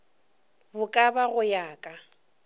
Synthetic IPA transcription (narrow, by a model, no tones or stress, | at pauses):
bʊkʼabaɣʊjaːkʼa